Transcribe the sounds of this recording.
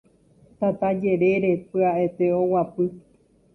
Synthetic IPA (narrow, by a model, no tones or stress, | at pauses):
t̪at̪ad͡ʒe̞ɾe̞ɾe̞pɨaʔe̞t̪e̞owapɨ